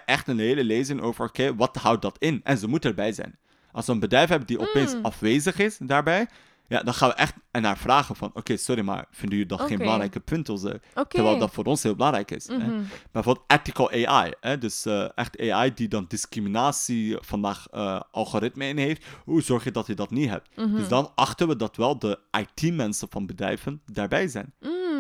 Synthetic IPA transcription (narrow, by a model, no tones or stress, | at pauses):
əʔɛχtənɦeːləleːzɪŋʔo̰ːvəɹokeːʋɑtɦʌwt̚dɑtɪnʔɛ̰nzəmutəəɹbɛjzɛ̰jn | ʔɑ̰lˠsʋəənbədrɛjfɦɛbəndiʔɔpeːnsɑfʋeːzəχɪsdaːɹbɛj | ja̰ːdɑnχaːnʋəʔɛχtɛnaːɹv̥raːχənvɑ̰no̰keːsɔɾima̰ɹv̥ɪndəədɑtχeːnməlɑŋrɛjkəpʰɵntəzɛ̰əɹʋɛɪldɑtfoːɾɔnsɦɪːlˠbəlɑŋrɛjkɪ̰sɛb̥ɛjvobəlˠtʔɛtɪkəlˠʔeʔa̰jɦɛdɵsəʔɛχteːajdidɑndɪskriminaːsifɑndaːχə̰ʔɑ̰lˠɣoːrɪtməɪnɦeftɦuzɔɹχjədɑtədɑtnitɦɛ̰p̚tdɵsdɑnɑχtənʋədɑtʋɛlˠdəʔɑjtimɛnsənvɑnbədrɛ̰jvəndaːɹbɛjzɛ̰jn